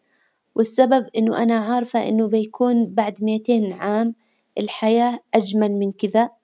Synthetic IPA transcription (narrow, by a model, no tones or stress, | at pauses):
wʔɪsːababʔɪnːʊʔanaʕɑɾˤfaʔɪ̰nːʊbɪjakuːnbaʕd̪mɪjat̪eːnʕaːm | ʔɪlħajaːʔad͡ʒmalmɪnkɪða